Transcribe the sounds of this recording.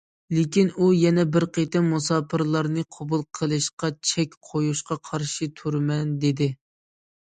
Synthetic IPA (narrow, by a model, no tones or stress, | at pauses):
lɪkʲinujɛnɛbɪɾqʰet̪ɪmusɑːpʰɨɾlˠɑɾnɨqʰobulˠqʰəlˠɨʃqɑt͡ʃʰɛkʲqʰojuʃqɑqʰɑɾʃit̪ʰuɾmɛnd̪ed̪ɪ